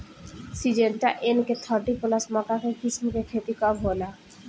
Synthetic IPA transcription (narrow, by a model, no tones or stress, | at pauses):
sid͡ʑenʈaʔenket̪ʰɔɾɖikolasmɔkakekismkekʰet̪ikɔbʱɦola